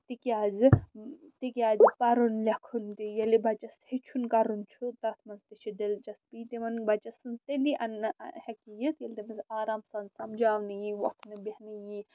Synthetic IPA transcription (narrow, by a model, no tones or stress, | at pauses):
t̪ikiaːzɨt̪ikjaːzɨpɐɾunlʲɐkʰunt̪ijɐlibɐt͡ʃɐshet͡ʃʰunkɐɾunt͡ʃʰut̪ɐt̪ʰmɐnzt̪it͡ʃʰidelt͡ʃɐspiːt̪imɐnbɐt͡ʃɐsɨnzt̪eliʔɐnhɐkijit̪jɐlt̪imɐsaːɾaːmsɐnzsɐmd͡ʒaːʋnɨjiʋɐk̪nɨbihnɨji